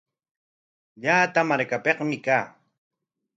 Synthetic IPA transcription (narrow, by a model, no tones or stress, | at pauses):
ʎaːt̪amaɾkapeqmɪkaː